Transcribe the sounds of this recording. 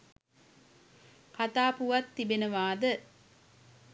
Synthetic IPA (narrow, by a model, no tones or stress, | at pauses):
kat̪aːpuʋat̪ːibenəʋaːd̪ə